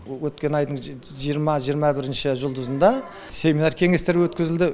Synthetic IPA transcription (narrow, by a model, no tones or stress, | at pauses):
wɵt̪̚kʲe̞nɑjd̪əɴ | ʒijəɾmɑʒijəɾmɑbɪɾɪnʃɪʒʊlˠd̪əzənd̪ɑ | se̞mʲinɑɾkʲʰe̞ŋe̞st̪e̞ɾɪwɵt̪kʲɪzɪld̪ɪ